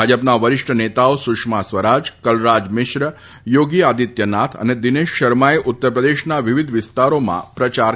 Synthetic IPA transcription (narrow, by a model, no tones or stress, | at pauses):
ad͡ʒəpnaʋəɾɪʃʈʰənet̪aosʊkʂmasʋəɾad͡ʒkəlɾad͡ʒmɪʃɾə | joɡiad̪it̪jənat̪ʰə̰ned̪ɪneʃːəɾmaeʔʊt̪ːəɾpɾəd̪eʃnaʋiʋid̪ʱʋɪst̪aɾomã̰pɾət͡ʃa